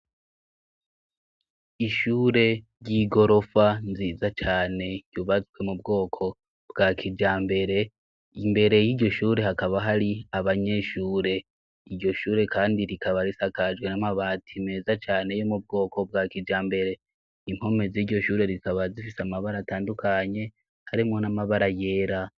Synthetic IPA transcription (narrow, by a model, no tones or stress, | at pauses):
iʃuːɾe̞ɾɟiɡo̞ɾo̞fanziːzat͡ʃaːne̞ɟ̥uβat͡swe̞mubɡo̞ːkʰo̞ | bɡakʰid͡ʒaːmbe̞ɾe̞ | imbe̞ɾe̞jiːɾɟo̞ʃuːɾe̞ɦakaβaɦaɾiaβaɲe̞ʃuːɾe̞ | iɾɟo̞ʃuːɾe̞kʰaːndiɾikaβaɾisakad͡ʒɡwe̞namaβaːtʰime̞ːzat͡ʃaːne̞jo̞mub̚ɡo̞ːko̞bɡaːkid͡ʒaːmbe̞ɾe̞ | im̥ho̞me̞ziːɾɟo̞ʃuːɾe̞ɾisaβazifiseamaβaɾataːndukaɲe̞ | haɾimŋo̞namaβaɾaje̞ːɾa